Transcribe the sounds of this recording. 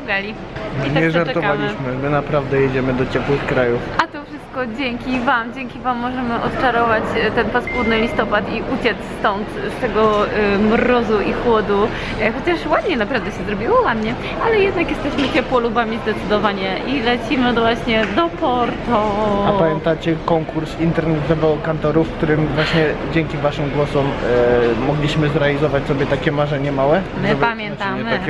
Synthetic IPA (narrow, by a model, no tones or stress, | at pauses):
ɡalʲi | iɲaɛʐaɾt̪ɔvalʲiɕmɘmɘnapɾavd̪ɛjɛd͡ʑɛmɘd̪ɔt͡ɕɛpwɘxkɾajufat̪ɔfʂɨst̪̚kɔd͡ʑɛŋkʲivamd͡ʑɛŋkʲivamːɔʐɛmɘʔɔt̪t͡ʂaɾɔvat͡ɕt̪ɛnpaspwud̪nɘlʲist̪ɔpat̪iʔut͡ɕɛt̪sst̪ɔnt̪st̪ɛɡɔmɾɔzuʔixwɔd̪u | xɔt͡ɕaʂwad̪̚ɲɛnapɾavd̪ɛɕɛzɾɔbʲiwɔwad̪ɲɛ | alɛjɛd̪nakjɛst̪ɛɕmɘt͡ɕɛpwɔlubamʲizd̪ɛt̪sɘd̪ɔvaɲɛʔilɛt͡ɕimɘvwaɕɲɛd̪ɔpɔɾt̪ɔapamʲjɛ̃nt̪at͡ɕɛkɔŋkuɾsint̪ɛɾnɛd̪zɔvawkant̪ɔɾufkt̪uɾɘmvwaɕɲɛd͡ʑɛŋkʲivaʂɘmɡwɔsɔmː | ɔɡlʲiɕmɘzɾɛalʲizɔvat͡ɕsɔbʲjɛt̪akʲɛmaʐɛɲɛmawɛ | mbpamʲjɛnt̪am